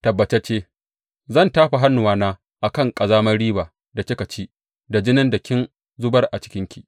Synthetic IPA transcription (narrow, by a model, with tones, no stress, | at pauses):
tɐ˨bːɐ˨t͡ʃɛ˦t͡ʃeː˦ | zɐ˦˨ntaː˦ɸa˨ɦa˦nːʊ˨waː˦naː˦ | ʔa˨kɐ˦˨ŋkʼɐ˨zaː˦mɐ˦rɽiː˦baː˨ | da˨t͡ʃɪ˦kɐ˨t͡ʃiː˦ | da˨d͡ʒɪ˦nɪ˦ndɐ˨kʲɪ˦n | zʊ˦bɐ˦rʔa˨t͡ʃɪ̥˦kʲɪ˦ŋkʲi̥˦˨ʔ